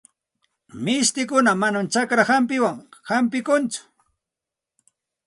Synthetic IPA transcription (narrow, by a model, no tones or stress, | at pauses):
mɪst̪ɪkʊnamanamt͡ʃakɾahamp̬ɪwaŋhampɪkʊnt͡sʊ̥